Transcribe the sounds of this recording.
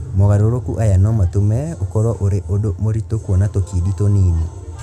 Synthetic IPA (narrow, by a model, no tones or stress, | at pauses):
moɣaɾoɾokuʔajanɔmatomɛokɔɾwɔʔoɾeʔodomoɾitokwɔnatokiditonini